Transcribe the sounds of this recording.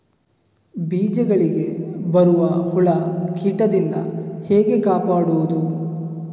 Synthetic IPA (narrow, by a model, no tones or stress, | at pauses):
biːd͡ʒɐɡɐɭiɡe̞bɐɾuʋɐhuɭɐkʰiːʈɐd̪ind̪ɐ̰hɛːɡe̞kaːpaːɽuʋud̪u